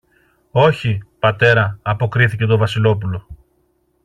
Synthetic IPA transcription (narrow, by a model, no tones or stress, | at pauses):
o̞çipɐt̪e̞ɾɐːpo̞kɾiθice̞t̪o̞vɐsilo̞pulo̞